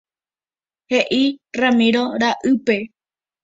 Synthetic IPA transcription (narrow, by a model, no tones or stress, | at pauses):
heʔiramĩɾoɾaʔɨpe̞